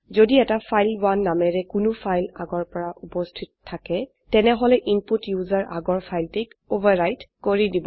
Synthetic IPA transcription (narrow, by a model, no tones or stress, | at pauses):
zodiɛtapʰajlwanːamɛɹɛkunʊpʰajlaɡɔɹpɔɹaʔupɔstʰitɔtʰːakɛ | tɛnɛɦɔlɛʔinputjuzaɹʔaɡɔɹpʰajltikobaɹajtkoɹidibɔ